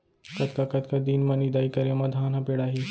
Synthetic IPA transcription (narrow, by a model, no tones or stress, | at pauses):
kɐt̪kakɐt̪kad̪iːnmɐnid̪aːikɐɾjãmɐd̪ʱaːnapeɽaːɦi